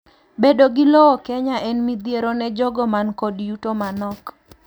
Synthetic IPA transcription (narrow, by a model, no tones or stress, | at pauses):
bedoɡɪlɔɔkɛɲaʔɛnmid̪jeɾonɛd͡ʒɔɡɔmankɔdjutomanɔk